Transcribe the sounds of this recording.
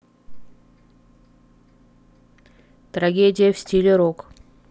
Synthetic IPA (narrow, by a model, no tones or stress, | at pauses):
t̪ɾɐɡʲedʲɪjəfsʲtʲilʲeɾok